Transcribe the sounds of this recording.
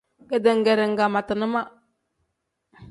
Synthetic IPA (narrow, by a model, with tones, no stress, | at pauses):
ɡə˨də˨ŋ˨ɡɛ˨ɾɪ˨ŋ̩˨ɡa˨ma˨tə˨nə˦ma˦